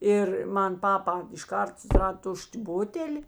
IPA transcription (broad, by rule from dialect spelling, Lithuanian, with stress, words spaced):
ˈɪr ˈmɐn ˈpɑːpɐ ɪʃˈkɐrt sʊsʲɪˈrɐt ˈtʊʃʲtʲ ˈbʊtʲɛlʲɪ